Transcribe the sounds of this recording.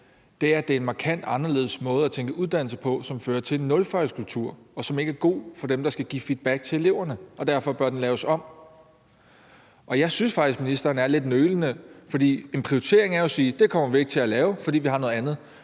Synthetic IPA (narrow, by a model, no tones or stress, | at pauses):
d̥e̝æɐd̥e̝ɐe̝nmɑ̈kʰæn̰d̥ɑ̈nɐle̝ːðˠəsmɔ̽ːð̞̩ˠæt͡sʰeŋɡ̥əʔuð̞ˠd̥æn̰l̩səpʰɒ̽sɒ̽mføːɐt͡sʰe̝lenːɔ̽lfɑɪskʰult͡sʰuɐ̰ɒ̽sɒ̽me̝ɡ̥əæɐɡ̥o̝̰ːfɒ̽d̥emd̥ɑ̈sɡ̥æɡ̥ḭːfid̥̚b̥æɡ̥̚t͡sʰe̝e̝le̝ʊ̰ɐnəʔɒ̽d̥æɐfɒ̽b̥ɶɐd̥enlɛːʊəsɒ̽m̰ | ʔɒ̽jɑ̈ɪsynsfɑ̈ɡ̥isɡ̥minisd̥ɐːnæɐle̝d̥nøːlənəfɒ̽d̥ḭːe̝npʰʁioit͡sʰe̝̰ɐ̰e̝ŋæɐjɒsiːd̥e̝kʰɒ̽m̰ɐʋie̝ɡ̥̚t͡sʰe̝lælɛːʊfɒd̥ḭːʋihɑ̈nɔ̽ðˠænð̞̩ˠ